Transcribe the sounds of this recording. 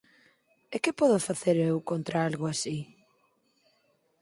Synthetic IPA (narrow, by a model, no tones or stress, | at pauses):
ekɪpɔðʊfaθeɾewkont̪ɾaalɣʊasi